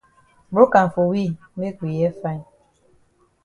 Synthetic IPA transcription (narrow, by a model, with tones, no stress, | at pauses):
bo˦ka˨ɱ˨fo˨wi˦˨˦e˦kwi˨jɛ˦fa˦˨ɲ˨